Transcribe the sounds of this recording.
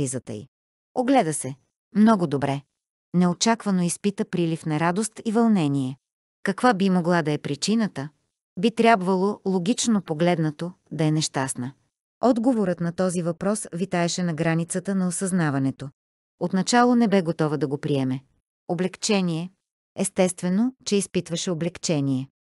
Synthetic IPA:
izət̪ə̰ḭ | oɡlɛd̪əsɛ | mnɔɡod̪obɾɛ | nɛot͡ʃakvɐnoispit̪əpɾilifnɐɾad̪ost̪ivɐlˠnɛniɛ | kɐkvabimoɡlˠad̪ɐɛpɾit͡ʃinət̪ə | bit̪ɾʲjabvɐlˠolˠoɡʲit͡ʃnopoɡlɛd̪nɐt̪od̪ɐɛnɛʃt̪asnə | ɔd̪ɡovoɾət̪nɐt̪ɔzivɐpɾɔsvit̪aɛʃɛnɐɡɾanit̪sət̪ənɐosɐznavɐnɛt̪o | ot̪nɐt͡ʃalˠonɛbɛɡot̪ɔvəd̪ɐɡopɾiɛmɛ | oblɛkt͡ʃɛniɛ | ɛst̪ɛst̪vɛnot͡ʃɛispit̪vɐʃɛoblɛkt͡ʃɛniɛ

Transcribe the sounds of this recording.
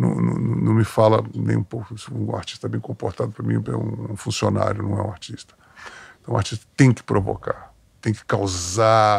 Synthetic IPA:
nɐ̰̃w̃nɐ̰̃nɐ̃nɐ̃w̃mɪfalɐnẽj̃ũpowkʊisʊũa̰ɾt͡ʃi̥st̪ɐɛbẽj̃kõpoɾt̪ad̪ʊpɾɐmĩɛ̰ũũfũsiona̰ɾjʊnɐ̃w̃ɛũaɾt͡ʃist̪ɐ̥ | ẽt̪ɐ̃w̃waɾt͡ʃist̪ɐ̥t̪ẽj̃kɪ̥pɾovo̰ka̰ɾ | t̪ẽj̃kɪ̥kawza

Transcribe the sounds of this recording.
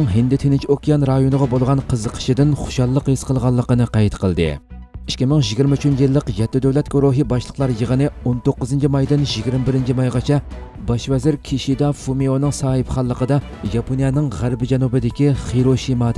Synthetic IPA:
ŋɦɪnd̪ɪt̪ʰenɪnt͡ʃʰokʲʰijɑnɾɑjonəʁɑbolˠʁɑnqʰəzəqʰə̥ʃid̪ɪnχʊ̥ʃɑlˠːəqisqəlˠʁɑlˠːəqənɨqɑjt̪qʰəlˠd̪ɨ̰ | i̥ʃkʲimɪŋʒiɡʲiɾmɪt͡ʃʰynjilˠːəqjɛt̪ːɪd̪øwlɛt̪̚ɡoɾoɦibɑʃlˠə̥qlˠɑɾjəʁənɨont̪oqːəzɨnt͡ʃʰimɑjd̪ɪnʒiɡʲiɾmɪbɪɾɪnt͡ʃʰimɑjʁɑt͡ʃʰɛ | bɑʃvɛzɪɾkʲʰiʃid̪ɑfumeonɨŋsɑːhɨpχɑlˠːəqəd̪ɑ | jɑponijɑnɪŋʁæɾbɪd͡ʒɛnubɨd̪ɪkʲiχiɾoʃimɑd̪

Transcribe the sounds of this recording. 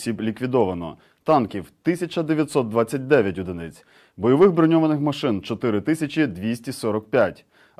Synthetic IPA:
sʲiblʲikʋʲid̪ɔʋɐnɔ̰ | t̪ɑnkʲiwt̪ɪsʲɐt͡ʃɐd̪eʋʲjɐt̪sɔt̪̚d̪ʋɑt͡sʲːɐt̚ʲd̪ɛʋʲjɐtʲʊd̪ɪnɪt͡sʲ | bɔjɔʋɪɣbɾɔnʲɔʋɐnɪxmɐʃɪnt͡ʃɔt̪ɪɾɪt̪ɪsʲɐt͡ʃʲid̪ʋʲisʲtʲisɔɾɔkpʲjatʲ

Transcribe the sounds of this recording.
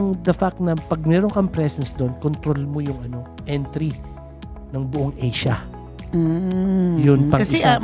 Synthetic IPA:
ʊŋd̪ɐfak̚t̪̚nɐpɐɡ̚mɛːɾoŋkɐmpɾɛsɛnsd̪o̞nkont̪ɾo̞lmo̞jʊŋʔɐno̞ | ʔɛnt̪ɾi | nɐŋbʊʔoŋʔejʃɐ | jʊnpɐŋkɐsɛ

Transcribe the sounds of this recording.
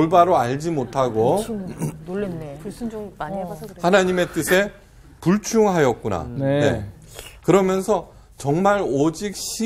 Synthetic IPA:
oɭbaɾoaʎd͡ʑimotʰaɡo | hanaɲime̞t͈ɯsʰe̞ | puɭt͡ɕʰuŋɦajʌk̚k͈una̰nne̞̰ | kɯɾʌmjʌnsʰʌ | t͡ɕʌŋmaɾod͡ʑik̚ɕ͈ʰi

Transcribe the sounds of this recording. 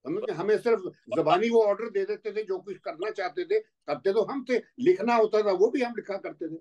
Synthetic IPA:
ɦɐmɦɐmẽsɪɾfzɐbaːniʋoɔːɾɖəɾd̪eːd̪eːt̪et̪ʰed͡ʒoːkʊt͡ʃʰkɐɾnat͡ʃaːɦt̪et̪ʰe | sɐb̚t̪et̪oɦɐmselɪkʰnaɦoːt̪at̪ʰaʋobʱiɦɐmlɪkʰakɐɾt̪et̪ʰeː

